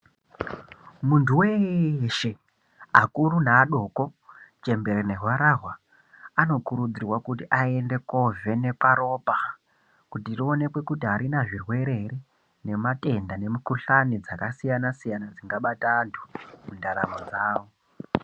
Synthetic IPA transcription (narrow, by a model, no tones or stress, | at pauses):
muntʰuweʃe̞ | akuɾunaːɗo̞ːko̞t͡ʃe̞mbe̞ɾene̞ɦwaɾaɦwa | ano̞kuɾud͡zirwakutiʔae̞nde̞ko̞ve̞ne̞kaɾo̞pa | kutirio̞ne̞kwe̞kutiɦaɾinaʐirwe̞ɾe̞re | ne̞mate̞ndane̞mukuɬanid͡zakasijanasijanad͡ziŋɡaɓatantʰu̥mundaɾa̰mod͡zaːwo